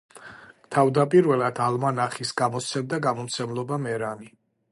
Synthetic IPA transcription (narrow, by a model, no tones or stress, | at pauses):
t̪ʰavd̪apʼiɾvɛlˠad̪almanaχisɡamɔsʰɛmd̪aɡamɔmt̪sʰɛmlˠɔbamɛɾani